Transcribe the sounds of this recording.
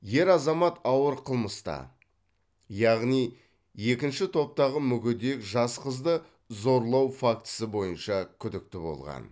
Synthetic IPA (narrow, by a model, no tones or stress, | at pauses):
je̞ɾɑzɑmɑt̪ɑwəɾqʰəlˠməst̪ɑ̰ | jɑʁnij | e̞kʲɪnʃɪt̪ʰo̞p̚t̪ɑʁəmʏɡʲɪd̪e̞kʒɑsqəzd̪ə | zo̞ɾlˠɑwfak̚t̪ə̥səbo̞jənʃɑkʲʰʏd̪ɪk̚t̪ɪbo̞̰lˠʁɑ̰n